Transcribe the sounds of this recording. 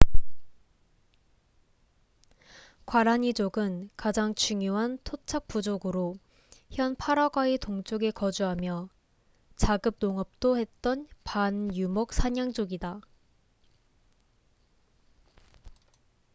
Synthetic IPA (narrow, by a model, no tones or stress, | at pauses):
kwaɾaɲid͡ʑoɡɯnkad͡ʑaŋt͡ɕuŋjoɦantʰot͡ɕʰak̚p͈ud͡ʑoɡɯɾo | çjʌnpʰaɾaɡwaetoŋt͡ɕ͈oɡe̞kʌd͡ʑuɦamjʌ | t͡ɕaɡɯp̚noŋʌp̚t͈ohe̞t̚t͈ʌnpanjumʌk̚sʰaɲaŋd͡ʑ͈oɡida